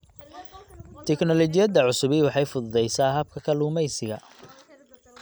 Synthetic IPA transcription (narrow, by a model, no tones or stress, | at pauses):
t̪ʰɛknɔlɔt͡ʃɪjɐd̪ɐʕʊsʊβɪwɑħɑjfʊðʊðɛjsaːɦɐb̚kʰɐkʰɐluːmɛjsɪɣɐ̰